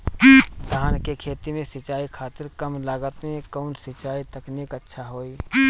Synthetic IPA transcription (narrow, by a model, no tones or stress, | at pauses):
d̪ʱaːnkekʰeːt̪imẽsɪt͡ʃaːikʰaːt̪ɪɾkəmlaːɡət̪eẽkɔːnsɪt͡ʃaːit̪əkniːkətːʃʰaɦoːi